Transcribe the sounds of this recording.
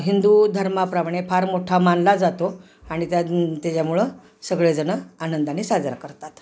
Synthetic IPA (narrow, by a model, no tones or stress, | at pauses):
ɦind̪ud̪ʱəɾmapɾamɳepʰaɾmoʈʰamanlad͡zat̪o | aɽ̃it̪jat̪jat͡ɕjamuɭə | səɡɭed͡zənəanənd̪anesad͡zəɾakəɾt̪at̪